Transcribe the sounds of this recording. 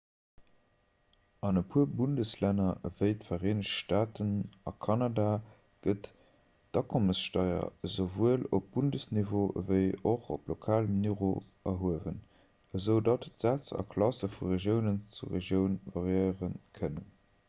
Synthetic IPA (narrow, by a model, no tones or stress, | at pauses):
ɑnəpʰuəbundəslænɐvəɪtfɐʁeːnəʃʃtaːtənɑkʰɑnɑdaː | ɡ̥ət | d̥ɑkʰoməsʃtɑɪɐ̰zəvuəlop̚b̥undəsnivoːvəɪoχo̰plokʰaːləmniʁo | ɐɦuəvən | əzəʊdɑttz̥æːt͡sɑ̰kʰlɑsəfuʁeʒjəʊnənt͡suʁeʒjəʊnvɑʁjəɪʁənkʰənən